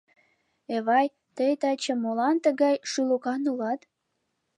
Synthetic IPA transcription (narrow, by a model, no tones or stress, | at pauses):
eβɑj | t̪əjt̪ɑt͡ɕə̆mːolɑnt̪ə̆ɣɑjʃylukɑnulɑt̪